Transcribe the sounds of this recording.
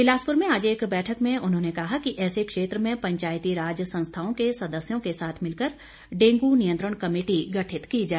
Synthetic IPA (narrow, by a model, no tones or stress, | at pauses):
pɪlaːspʊɾmẽaːd͡ʒeːkbɛːʈʰəkmẽʔʊnɦõːnekɐɦakiʔɛːsekʃeːt̪ɾəmẽpɐ̃ɲt͡ʃaːjt̪iɾaːd͡ʒjəsɐ̃nst̪ʰaːõkesɐd̪əsjõkesaːt̪ʰmɪlkəɾ | ɖẽːŋɡunijə̃nt̪ɾəɽ̃kɐmeːʈiɡɐʈʰɪt̪kid͡ʒaːe